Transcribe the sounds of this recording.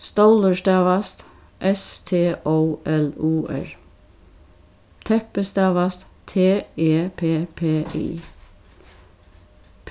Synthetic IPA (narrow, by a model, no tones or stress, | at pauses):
st̪oʊləʃt̪ɑːʋɑst̪ | ʔɛst̪ʰeːʔoʊɛluːʔɛ̰ɹ | t̪ʰɛpəst̪ɑːʋast̪t̪ʰeːeːpʰeːpʰeːʔḭː | pʰ